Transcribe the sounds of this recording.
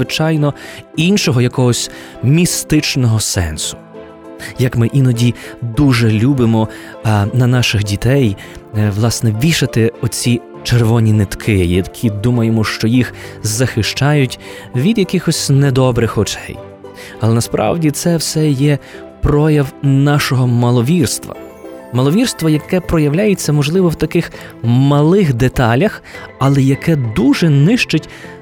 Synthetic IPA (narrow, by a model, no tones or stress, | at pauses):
zʋɪt͡ʃɑjnɔinʃɔɦɔjɐkɔɦɔsʲ | mʲist̪ɪt͡ʃnɔɦɔsɛ̰nsʊ̥ | jɐkmɪʔinɔdʲid̪uʒɛlʲubɪmɔ | nɐnɑʃɪxdʲit̪ɛj | ʋlˠɑsnɛʋʲiʃɐt̪ɪɔt͡sʲi | t͡ʃerʋɔnʲinɪt̪kʰɪjɐkʲʰid̪umɐjemɔʃt͡ʃɔjixzɐxɪʃt͡ʃɑjʊtʲ | ʋʲid̪jɐkʲixɔsʲnɛd̪ɔbɾɪxɔt͡ʃɛ̰j | ɐlˠɛnɐspɾɑ̰wdʲit̪sɛwsɛjɛ | pɾɔjɐwnɑʃɔɦɔmɐlˠɔʋʲirst̪ʋɐ̰ | mɐlˠɔʋʲirst̪ʋɔjɐkɛpɾɔjɐwlʲajet͡sʲːɐmɔʒlˠɪʋɔwt̪ɐkɪx | mɐlˠɪxd̪et̪ɑlʲɐxɐlˠɛjɐkɛd̪uʒɛnɪʃt͡ʃʊtʲ